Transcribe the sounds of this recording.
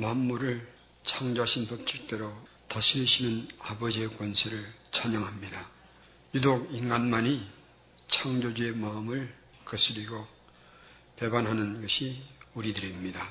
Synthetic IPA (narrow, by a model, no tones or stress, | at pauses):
mamːuɾɯɭ | t͡ɕʰaŋd͡ʑoɦaɕʰinpʌp̚t͡ɕ͈ʰuɭk̚t͈e̞ɾo | taɕʰiɾɯɕʰinɯnabʌd͡ʑiekwʌnsʰeɾɯɭt͡ɕaɲʌŋɦamɲida | judoɡinɡanmaɲi | t͡ɕʰaŋd͡ʑod͡ʑue̞maɯmɯɭ | kɯs͈ʰɯɾiɡo | pe̞banɦanɯnɡʌɕʰiuɾidɯɾimɲida